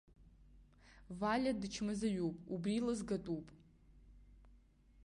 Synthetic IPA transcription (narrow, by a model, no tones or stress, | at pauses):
valʲadt͡ʃʰmɨzajupʼubrilazɡatʼupʼ